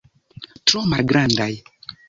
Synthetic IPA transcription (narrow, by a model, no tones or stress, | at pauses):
tɾomalɡɾandaj